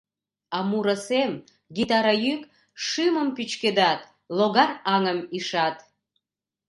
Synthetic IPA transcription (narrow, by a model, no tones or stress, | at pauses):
ɑmuɾəsem | ɡit̪ɑɾajyk | ʃɨməmpyt͡ɕked̪ɑt̪̚ | loɣɑrɑŋəmiʃɑt̪